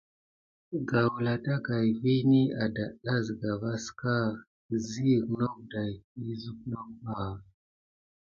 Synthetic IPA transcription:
ɡa˨wla˨ta˦ka˨jvi˦ni˦a˨da˨ɗa˦zɡa˨va˦ska˦˨ | zi˦˨kno˦k̚da˨ji˦zu˦k̚no˦kba˨

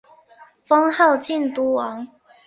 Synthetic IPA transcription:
fɔ˦ŋha˥˨ʊt͡ɕi˥˨nt̪u˦wɑ˨˦ŋ

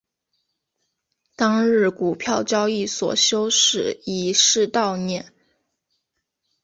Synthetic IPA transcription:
t̪ɑ˥ŋɻɻ̩˥˩ku˨˩pʰjɑ˥˩ʊt͡ɕjɑ˥ʊi˥˩swɔ̰˨˩ɕjo˥ʊʂɻ̩˨˩i˨˩ʂɻ̩˥˧t̪ɑ˥˧ʊnjɛ˥˩n

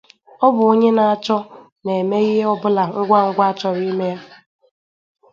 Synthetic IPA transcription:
ɔ˦bʊ˨o˦ɲe˦na˨a˨t͡ʃɔ˦ | ne˨me˦ɣɪ˦ɦe˦ɔ˦bʊ˦la˨ŋ̩˦ɡʷa˦ŋ̩˦ɡʷa˦a˦t͡ʃɔ˨ɾi˦me˦a˦

